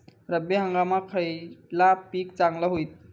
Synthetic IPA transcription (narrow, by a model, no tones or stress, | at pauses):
ɾəbeɦəŋɡamakʰəjlapik̚t͡saŋlaɦojt̪̚